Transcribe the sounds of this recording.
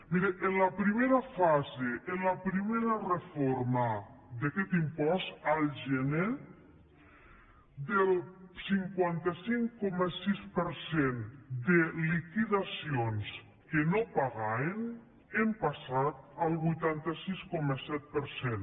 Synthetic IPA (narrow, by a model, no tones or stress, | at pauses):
miɾeʔenlapɾimeɾafazeʔenlapɾimeɾarefoɾmad̪akɛt̪impɔst̪alˠʒɛne | d̪əlˠsiŋkwant̪asiŋkɔmasispəɾsend̪elikiðasions | kenopaɣaen | empasat̪̚əlˠβujt̪ant̪asiskɔməsɛt̪̚pəɾsen